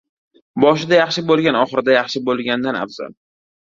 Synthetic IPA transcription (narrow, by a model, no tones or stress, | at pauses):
bɒʃɪd̪ajaχʃɪbolˠɡʲanɒχɨɾɪd̪ajaχʃɪbolˠɡʲand̪ana̰fz̥a̰l